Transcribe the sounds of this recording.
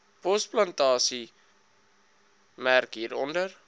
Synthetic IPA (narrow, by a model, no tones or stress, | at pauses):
pɔsplɐntɑːsi | mærkɦiːɾɔndər